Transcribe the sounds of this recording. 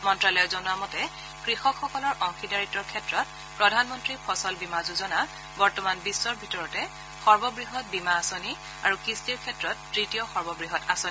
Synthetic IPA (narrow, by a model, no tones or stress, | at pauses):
mɔntɹalɔjɔzɔnʊamɔtɛ | kɹixɔkxɔkɔlɔɹʔɔŋxidaɹitɔɹkʰɛtɹɔt̚ | pɹɔdʱanmɔntɹipʰɔsɔlbimazuzɔna | bɔɹtɔmanbisːɔɹbʱitɔɹɔtɛ | xɔɹbɔbɹiɦɔt̚bimaːsoni | aɹukistiɹkʰɛtɹɔtːɹitijɔxɔɹbɔbɹiɦɔtasoni